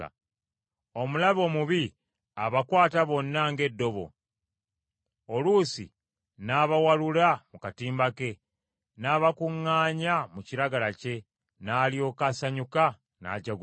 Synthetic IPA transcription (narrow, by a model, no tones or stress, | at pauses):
omulaβo̞ːmuβi | aβakwaːtaβo̞nːaŋɡe̞dːo̞βo̞̰ | olusḭ | naːβawalulamukatiːmbake̞ | naβakuŋːaːɲamuciɾaɡalace̞ | naːlio̞ːkasaɲuka | na̰ːɟaɡu